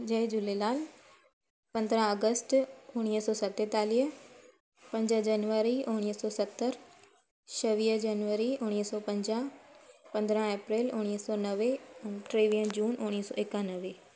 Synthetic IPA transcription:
d͡ʒəed͡ʒʊleːnaːl | pə̃nd̪ɾãːəɡəsʈ̪ʊɽ̃iəsɔːsət̪ːeːt̪aːlijə | pə̃ɲd͡ʒãːd͡ʒaːnʋəɾiːʔʊɽ̃ijəsɔːsət̪ːəɾ | ʃəʋiəd͡ʒaːnʋəɾiːʊɳ̃iəsɔːpə̃ɲd͡ʒãːpə̃nd̪ɾãːɛːpɾeːlʊɽ̃iəsɔːnəʋeːʈɾeːʋijə̃ːd͡ʒuːnʔʊɽ̃isɔ̰ːɪkːaːnəʋeː

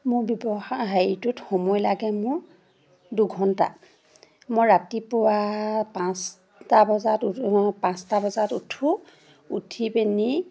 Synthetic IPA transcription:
mʊbjɔbɔɦajitutxɔmɔjlaɡɛmʊɹ | duɡʱɔnta̰ | mɔjɹatipʊwapãs | tabɔzatpãstabɔzatutʰu | utʰipeni

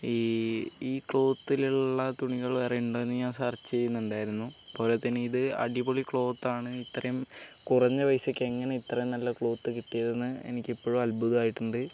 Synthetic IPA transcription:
iiːkɭo̞ːt̪ːiluɭːɐt̪uɳiɣɐɭʋerɐjuɳɖo̞ːenːɨɲaːnsaːrt͡ɕːejːunːuɳɖaːjiɾunːu | po̞ːlet̪ːinɨiðɨɐ̰ɽiboɭikɭo̞ːt̪ːaːɳɨit̪ːɐrɐjum | kurɐɲːɨʋɐjsɐkʲːeŋːɐne̞it̪ːrɐjumnɐlːɐkɭo̞ːt̪ːɨkiʈːijɐðenːɨḛnikʲːipːo̞ːɻumɐlbuðɨaːjiʈːuɳɖɨ

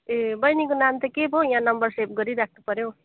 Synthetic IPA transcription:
ebʌjnikonamt̪ʌkebʱojãnʌmbʌrsep̚ɡʌɾiɾak̚ʰnupʌɾjo

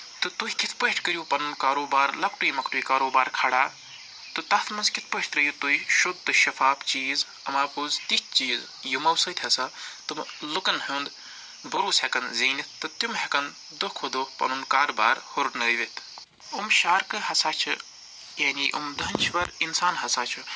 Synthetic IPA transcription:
t̪ɨt̪uɦikit̪ʰpəɦʈʰkəɾjuːpɐnunkaːɾoːbaːɾlɐkʈujmɐkʈuikaːɾoːbaːɾkʰaːɽaː | t̪ɨt̪ɐt̪ʰmɐnzkit̪̚ʰpəiʈt̪ɾɐjut̪uiʃud̪̚t̪ɨʃɐfaːpt͡ʃiːz | ɐmaːpuːzt̪it̪̚ʰt͡ʃiːz | jumɐwsɐt̪ʲʰɐsat̪ɨmlukɐnɦund̪ | bɐɾuːsekɐnziːnit̪t̪ɨt̪umɦekɐn | d̪okʰod̪opɐ̰nunkaːɾbaːɾhoɾʈnɐɾʋit̪ʰ | umʃaːɾkɨɦɐsaːt͡ʃʰɨ | janiʔṵmd̪ɐnʲt͡ʃʰʋɐɾinsaːnɦɐsaːt͡ʃʰu

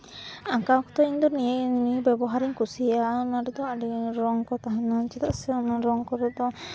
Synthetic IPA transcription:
aŋkakɔ̥t̪ɔiɲd̪ɔnijenibɛbɔɦaɾiɲkusijanaɖɛd̪ɔaɖiɾɔŋkɔt̪aɦanat͡ʃɛt̪aʔsɛɔnaɾɔŋkɔɾɛd̪ɔ

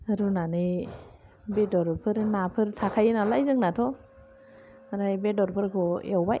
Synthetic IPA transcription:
ɾunani | bedɔɾpʰɯɾnapʰɯɾtʰakʰajnalajzɯŋnatʰɔ | mɾajbedɔɾpʰɯɾkʰɔjawbaj

